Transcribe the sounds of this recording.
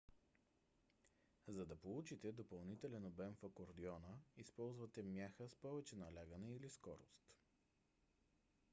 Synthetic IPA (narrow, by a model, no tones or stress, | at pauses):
zɐd̪ɐpolˠut͡ʃit̪ɛd̪opɐlˠnit̪ɛlɛnobɛmfɐkoɾd̪iɔnəispɔlˠzvət̪ɛmjaxəspɔvɛt͡ʃɛnɐlʲaɡənɛiliskɔɾost̪